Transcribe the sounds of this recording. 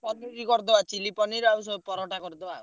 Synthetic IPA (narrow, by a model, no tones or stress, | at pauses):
pɔniɾikɔɾd̪ɔat͡ʃilipɔniɾausɔpɔɾɔʈakɔɾd̪ɔau